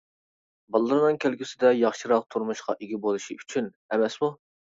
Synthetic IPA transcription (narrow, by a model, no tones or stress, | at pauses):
bɑlˠːɨɾɨnɨŋkʲʰælkʲɪsɪd̪ɛjɑχʃɨɾɑq̚t̪ʰuɾmuʃqɑʔeɡʲibolˠɨʃiyt͡ʃʰyn | ɛmɛsmu